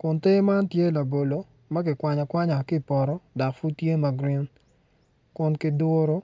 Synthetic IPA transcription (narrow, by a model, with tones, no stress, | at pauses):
kʊ˨nte˦ma˦ntje˦la˨bo˨lo˨ | mɐ˦kɪ˨kwa˨ɲɔ˨kwa˦ɲa˨ki˦˨pɔ˨ɾɔ˦dɔ˨kfu˦tje˦ma˨ɡɾi˦n | kʊ˦nkɪ˦dwo˦ɾo˦